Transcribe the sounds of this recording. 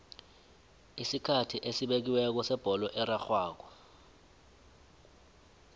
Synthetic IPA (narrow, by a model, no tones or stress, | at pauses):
isikʰatʰiʔesiɓek̬iwɛk̬ɔsɛb̥ʱɔlɔʔɛɾaxwaːk̬ɔ